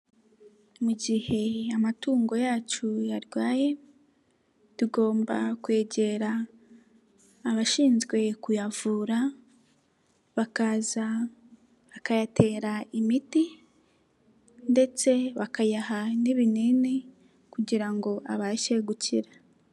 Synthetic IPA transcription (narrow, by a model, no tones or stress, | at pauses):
muɟihe̞amatuːŋɡo̞jaːt͡ʃujaɾjwaːje̞ | tuɡo̞ːmba̰kwe̞ːɟe̞ɾa | βaʃiːnzɡwe̞kujavuːɾa | βakaza | βakajatʰe̞ːɾaimiti | nde̞t͡se̞βakajaɦaniβinini | kuɟiɾaŋɡo̞ʔaβaʃeɡucḭɾa